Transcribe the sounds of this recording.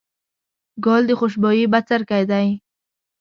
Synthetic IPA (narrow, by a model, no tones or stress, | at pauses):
ɡɔld̪əχʊʃ̬bɔjibat͡saɾkajd̪aj